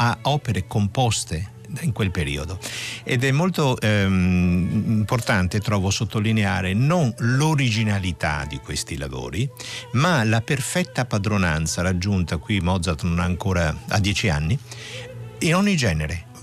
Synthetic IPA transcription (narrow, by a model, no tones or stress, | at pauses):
aɔːpeɾekompɔst̪e | iŋkwelpeɾḭːod̪oed̪ɛmːolt̪o | mport̪ant̪et̪ːɾɔːvosot̪ːolineaːɾenonloɾid͡ʒinalit̪a̰d̪ikwest̪ila̰vo̰ːɾimalaperfɛt̪ːapad̪ɾona̰nt̪saɾad͡ʒːunt̪akwimɔd̪zat̪naŋkoːɾaa̰d̪ːɛːt͡ʃia̰nːi | inɔɲːid͡ʒɛːneɾe